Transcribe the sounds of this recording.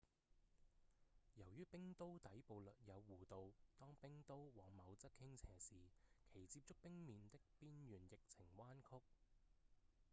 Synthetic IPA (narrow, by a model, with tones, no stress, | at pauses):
jɐ˨˩wjyː˥pɪ˥ŋt̪o˥wt̪ɐ˨˥jpo˨˧wlɵ˨t̚jɐ˨˧wːuː˨˩t̪o˨wt̪ɔː˥ŋpɪ˥ŋt̪o˥wwɔː˨˧ŋmɐ˨˧wt͡sɐ˥t̚kʰɪ˥ŋt͡sʰɛː˨˩siː˨kʰe˨˩jt͡siː˧p̚t͡ʃʊ˥k̚pɪ˥ŋmiː˨˧nt̪ɪ˥k̚piː˥njyː˨˩njɪ˨k̚t͡sʰɪ˨˩ŋwaː˥nkʰʊ˥k̚